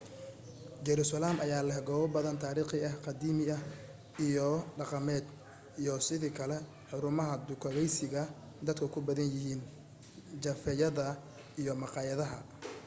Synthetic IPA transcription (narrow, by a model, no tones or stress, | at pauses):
d͡ʒɛɾusɐlaːmʔɐjaːlɐɦɡɔːβɐbɐðɐnt̪ʰaːɾiːχɪɐhqɑd̪iːmɪɐ | ijɔɖɑqɑmɛːd̪ | ijɔsɪðiːkʰɐlɛ | ħʊɾʊmɐɦɐd̪ʊkʰɐɣɛjsɪɣɐ | d̪ɐd̪kʰɐkʰʊbɐðɐnjɪɦiːn | t͡ʃɐfɛjɐðɐ | ijɔmɑqɑːjɐðɐɦɐ̰